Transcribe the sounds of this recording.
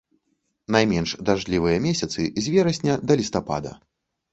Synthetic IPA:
najmʲɛnʂd̪aʐlʲivɨjɐmʲɛsʲɐt̪sɨzʲvʲɛɾɐsʲnʲɐd̪ɐlʲist̪apa̰d̪ɐ̰

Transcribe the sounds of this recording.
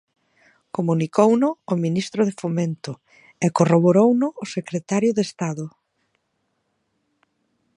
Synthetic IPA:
komunikownʊːminist̪ɾʊðefoment̪ʊ | ekoroβ̞oɾownʊːsekɾet̪aɾjʊðest̪aðʊ

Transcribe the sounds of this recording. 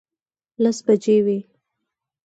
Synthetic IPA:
lasbad͡ʒewe

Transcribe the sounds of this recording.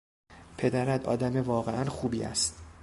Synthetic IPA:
pʰe̞d̪æɾæd̪ɒ̰ːd̪æme̞vɒːɣeʔænχuːbiːæ̰st̪

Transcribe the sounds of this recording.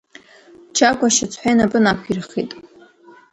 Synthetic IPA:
t͡ʃʰaɡʷaʃɪt͡sʰħʷᶣejnapʼɨnakʷʰirχitʼ

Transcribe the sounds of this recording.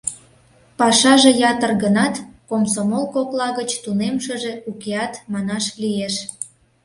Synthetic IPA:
pɑʃɑʒĕjɑt̪ərɣənɑt̪komsomolkoklɑɣət͡ɕt̪unemʃəʒeukeɑt̪mɑnɑʃlieʃ

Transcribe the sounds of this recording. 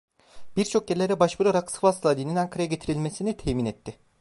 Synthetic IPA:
b̥iɾt͡ʃʰo̞k̚ɟeɾʲilʲeɾɛbaʃbuɾaɾaksɯ̥fast̪ʰlˠad̪ininaŋkʰaɾajaɟe̞t̪ʰiɾilʲmesinit̪ʰɛːmiːnɛt̪ʰːɪ

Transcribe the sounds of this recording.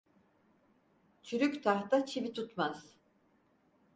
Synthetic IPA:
t͡ʃʰyɾykʲt̪ʰaht̪at͡ʃʰivit̪ʰut̪maz̥

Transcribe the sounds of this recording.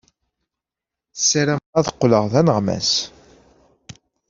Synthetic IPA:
sːæɾæmæðəqːləʁðænəʁmæ̰s

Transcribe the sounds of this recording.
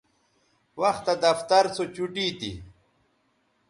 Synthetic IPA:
wɐxt̪ad̪ɐft̪ɐɾsot͡ɕuʈit̪ḭ

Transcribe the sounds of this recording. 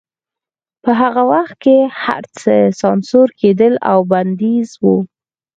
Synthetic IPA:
pəɦaɣawaxt̪̚keha̰ɾt͡səsɑnsoɾked̪əla̰wband̪izwu

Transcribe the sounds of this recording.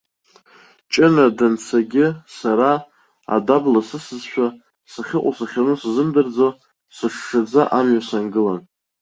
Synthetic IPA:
t͡ʃʼɪnadant͡sʰaɡʲɪsaɾa | a̰dablasɨsɨzʃʷᶣa | saχʲɪqʷʼasaχʲanɨszɨmdɨrd͡zo | sɨʂʂad͡zaʔamɥasanɡɨlan

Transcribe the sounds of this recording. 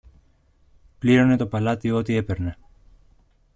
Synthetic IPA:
pliɾo̞ne̞t̪o̞pɐlɐt̪iot̪ie̞pe̞ɾne̞

